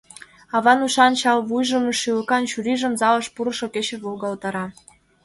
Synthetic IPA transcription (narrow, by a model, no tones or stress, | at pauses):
ɑβɑnuʃɑnɕɑlβujʒə̆məʃyləkɑnt͡ɕuɾiʒə̆mzɑlɤ̆ʃpuɾɤ̆ʃoket͡ɕeβolɣɑlt̪ɑɾɑ